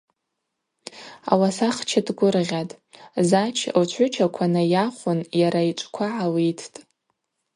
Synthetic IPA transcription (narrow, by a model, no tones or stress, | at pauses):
a̰wasaχt͡ʃʰadɡʷʊrʁʲatʼ | zat͡ʃʰlt͡ʃʷʰʊt͡ʃʰakʷʰanajaχʷʊnjaɾait͡ʃʷʼkʷʰaʕalitʰtʼ